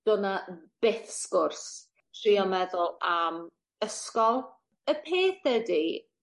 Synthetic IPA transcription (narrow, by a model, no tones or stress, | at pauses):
d̥ɔnab̥ɪθskʊrs | tʰriɔmɛðʊlˠam | əskɔlˠ | əpʰeːθədi